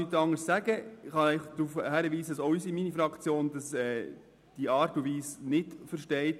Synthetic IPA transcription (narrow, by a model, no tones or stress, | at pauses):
yt̪ɑŋəɾssæɡəɪχɑɛɪχd̪̥ɾufhæɾəʋiːsədɑsɔʏsiminifɾɑkt͡sjoːndɑsɛː | d̥iɑːɾtuʋiːsnɪtfəɾʃtɛɪt